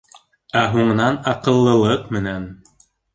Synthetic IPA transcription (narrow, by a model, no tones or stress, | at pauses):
æɦuɴɤ̆nɑnɑqɤ̆lˠːɤ̆lˠɤqmɘ̆næn